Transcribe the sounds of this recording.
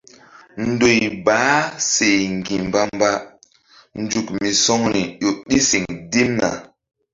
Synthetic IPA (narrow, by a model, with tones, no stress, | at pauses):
n̩˨˦do˨jbaː˨˦se˨jŋ˨ɡi˨m˨ba˦mba˦ | n̩˦d͡ʒu˨kmi˨sɔ˦ŋɾi˨ɗo˨ɗi˦si˨ŋdi˦mna̰˨